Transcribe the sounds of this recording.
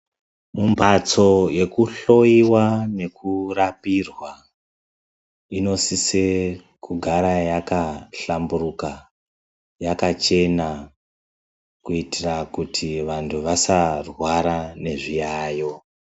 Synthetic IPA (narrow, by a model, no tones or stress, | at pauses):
mumbat͡so̞je̞kuɬo̞jiwane̞kurapirwa | ino̞sise | kuɡʱaɾajakaɬamburuka | jakat͡ʃe̞na | kuitirakutʰiʋantʰuʋasarwaɾane̞ʐijaːjo̞